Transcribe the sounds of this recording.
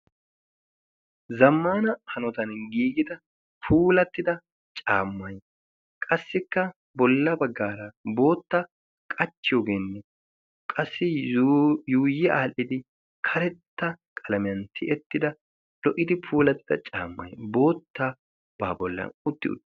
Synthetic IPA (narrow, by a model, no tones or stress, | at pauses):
zɐmːaːnɐhɐnɔt̪ɐnɡiːɡɪd̪ɐ | pʰuːlɐt̪ːɪd̪ɐ | t͡ʃʼaːmːɐj | kʼɐsːɪkːɐ | bɔlːɐbɐɡːaːɾɐbo̞ːt̪ːa | kʼɐt͡ʃːɪjoːɡeːnːɛ | kʼɐsːɪ | juːjːɛʔaːlʔɪd̪ɪ | kʰɐɾɛt̪ːɐkʼɐlɐmɪjɐnt̪ʰɪʔɛt̪ːɪd̪ɐ | lɔʔɪd̪ɪpʰuːlɐt̪ːɪd̪ɐ̰t͡ʃʼa̰ːmːɐ̰jbo̞ːt̪ːa | baːbɔlːɐ̰nʊt̪ːɪ̰ʊ̰